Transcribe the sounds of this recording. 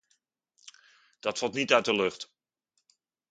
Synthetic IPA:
d̥ɑtfɑlˠtnitœɥt̚dəlɵχt

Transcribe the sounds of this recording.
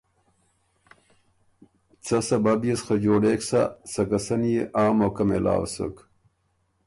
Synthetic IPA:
t͡sɐsɐbabijesxad͡ʑoːɽeːksa̰sɐkɐsɐnjeʔaːmokɐmela̰ːwsə̰k

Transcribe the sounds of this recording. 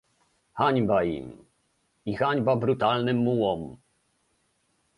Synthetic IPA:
xaɲbaḭm | ixaɲbabɾut̪alnɘmːuwɔm

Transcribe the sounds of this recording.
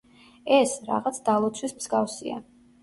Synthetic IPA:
ɛsɾa̰ʁat̪sʰd̪alˠɔt̪sʰwismz̥ɡafsḭa̰

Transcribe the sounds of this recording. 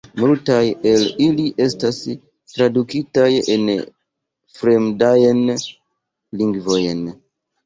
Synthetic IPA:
multaje̞liliʔe̞stas | tɾadukitajḛn | fɾemdajn | liŋɡvo̞jn

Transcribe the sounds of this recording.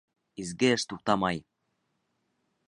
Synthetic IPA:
izɡeəʃt̪uq̚t̪ɑmɑj

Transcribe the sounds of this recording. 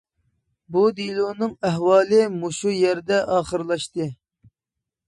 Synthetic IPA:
bud̪ilˠuːnɨŋæɦwɑːlˠɨmoʃujɛɾd̪ɛʔɑːχəɾlˠɑʃt̪ɨ

